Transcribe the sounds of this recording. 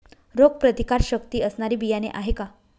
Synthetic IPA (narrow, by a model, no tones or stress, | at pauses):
ɾoɡ̚pɾət̪ikaɾɕəkt̪iːəsnaɾiːbijanḛʔaɦeka